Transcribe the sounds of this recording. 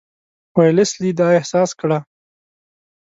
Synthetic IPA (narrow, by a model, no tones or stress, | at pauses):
wejlɪslid̪ɑɪhsɑskɽa